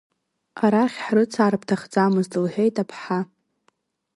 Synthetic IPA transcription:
aɾaχʲħrɨt͡sʰaɾɨpʰtʰaχd͡zamɨztɨlħʷᶣejtʼapʰħa

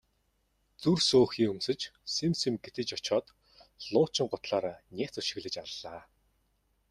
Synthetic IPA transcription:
t͡sursoːxiːŋɵmsɵ̆t͡ɕsemsĕmɡet̪ɘ̆t͡ɕɔt͡ɕɔːt̪ | ɮ̥ʊːt͡ɕɪ̆ŋɢʊt̪ɮaːɾaːnʲæːt͡sɵʃɪ̆ɣɮɘ̆t͡ɕaɮːaː

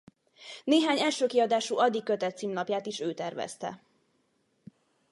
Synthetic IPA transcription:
neːɦaːɲɛlʃøːkiɒd̪aːʃuɒd̪ːikːøt̪ɛt̪siːmnɒpjaːt̪iʃøːt̪ɛrvɛ̰st̪ɛ̰

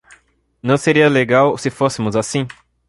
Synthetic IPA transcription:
nɐ̃w̃seɾiɐleɡawsɪfosɪmʊzasĩ

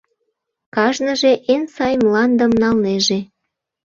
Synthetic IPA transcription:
kɑʒnəʒeʔensɑjmlɑnd̪əmnɑlneʒe

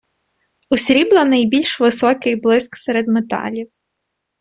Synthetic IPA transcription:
ʊsʲɾʲiblˠɐnɐjbʲilʲʃʋɪsɔkɪjblˠɪsksɛɾed̪met̪ɑ̰lʲiw

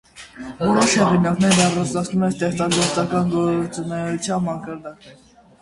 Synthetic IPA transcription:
vɔɾɔʃhɛʁinɑknɛɾnɑrɑt͡snɑt͡sʰnumɛnst̪ɛχt͡sɑɡɔɾt͡sɑkɑnɡɔt͡sunɛɾut͡sʰjɑnmɑkɑɾd̪ɑk

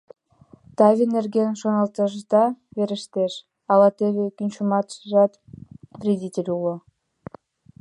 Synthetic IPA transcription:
t̪ɑvʲenerɡenʃonɑlˠt̪ɑʒd̪ɑveɾə̆ʃt̪eʃ | ɑlˠɑt̪eβekʲynʲt͡ɕumɑt̪ʃʒɑt̪krʲedʲitʲelʲulˠo

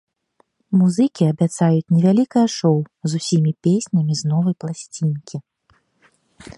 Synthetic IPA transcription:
muzɨkʲiɐbʲat̪sajut͡sʲnʲɛvʲalʲikɐjɐʂɔwzusʲimʲipʲesʲnʲɐmʲiznɔvɐjplˠasʲt͡sʲinkʲi

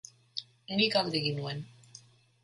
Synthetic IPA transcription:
nikald̪eɣinuen

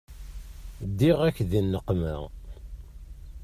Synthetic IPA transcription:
d̪ːiʁækːðinːəqːmə̰ʁ

